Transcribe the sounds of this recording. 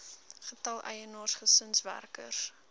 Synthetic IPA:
χətɐlˠʔɛ̰jənoːrsχəsənsvæ̰rkə̰rs

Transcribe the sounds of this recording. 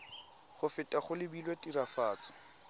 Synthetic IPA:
χʊfɪtʼaχʊlɪbilwetʼirafaːt͡sɔ̥

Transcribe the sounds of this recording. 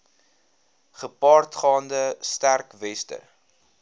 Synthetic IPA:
χəpɑːrtχɑːndəstærkvɛstə̰

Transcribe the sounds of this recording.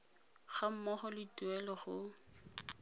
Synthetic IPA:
χam̩mɔχɔlɪtuɛlɔχʊ

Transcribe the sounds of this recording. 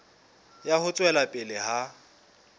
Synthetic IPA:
jahʊt͡sʼwɛlapʼɪlɪha

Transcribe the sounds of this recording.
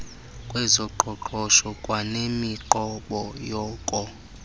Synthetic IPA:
kʼwɛzɔǃʱɔǃʰɔʃɔkʼwanemiǃɔɓɔjɔːkʼɔ

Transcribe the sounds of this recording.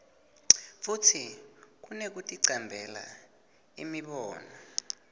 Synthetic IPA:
futʰik̬unek̬utʼiǀambʱɛla̰ | ḭmiɓɔːnɔ

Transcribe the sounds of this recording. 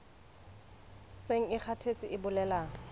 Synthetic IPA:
seŋ̩ɪk͡xʰatʰet͡sʼɪɪbʊlɛlaːŋ̩

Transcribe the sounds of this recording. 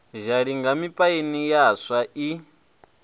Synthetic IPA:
ʒaɺiŋɡamipʼainijasaʔi

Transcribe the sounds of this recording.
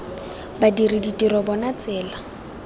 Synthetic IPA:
badiriditʼiɾɔbɔnat͡sʼɛːla

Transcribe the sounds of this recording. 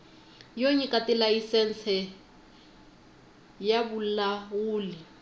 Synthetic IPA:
joɲikʼatʼɪlaisɛn̩sʰɛ | jabʊl̩lawʊːlɪ

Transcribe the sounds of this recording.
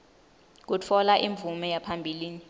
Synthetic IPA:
k̬ut͡fʰɔlaʔiɱb̪vumɛjapʰambʱiliːni

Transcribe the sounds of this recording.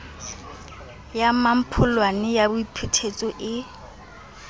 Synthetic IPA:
jamam̩pʰʊlwanɪjabʊipʰutʰet͡sʼɔʔɪ

